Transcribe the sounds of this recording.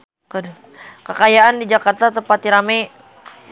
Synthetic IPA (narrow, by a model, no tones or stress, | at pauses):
kədu | kəkajaandid͡ʒakart̪at̪əpat̪iɾamaj